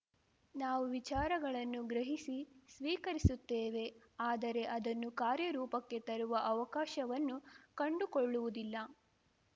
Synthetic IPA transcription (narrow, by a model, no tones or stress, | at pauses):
naːʋuʋit͡ʃaːɾɐɡɐɭɐnːuɡɾɐɦisisʋiːkɐɾisut̪ːeːʋe̞ | aːd̪ɐɾe̞ʔɐd̪ɐnːukaːɾjɐɾuːpɐkːe̞t̪ɐɾuʋɐʔɐʋɐkaːʃɐʋɐnːukɐɳɖukoɭːuʋud̪ilːɐ